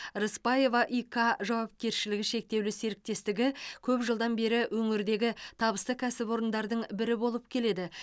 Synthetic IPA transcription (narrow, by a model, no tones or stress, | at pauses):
ɾəspɑje̞vɑʔikʰɑʒɑwɑp̚kʲe̞ɾʃɪlɪɡʲɪʃe̞k̚t̪e̞wlɪse̞ɾɪk̚t̪e̞st̪ɪɡʲɪkʲʰɵpʒəlˠd̪ɑnbe̞ɾɪwʔɵŋɪɾd̪e̞ɡʲɪt̪ʰɑbəst̪əkʲʰæsɪpo̞ɾənd̪ɑɾd̪əɴbɪɾɪbo̞lˠəp̚kʲʰe̞le̞d̪ɪ